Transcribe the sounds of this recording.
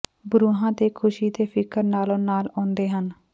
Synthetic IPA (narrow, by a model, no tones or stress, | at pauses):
bʊɾuːɦãːt̪eːkʰʊʃiːt̪eːpʰɪkəɾnaːlõːnaːlɔ̃ːnd̪eːɦən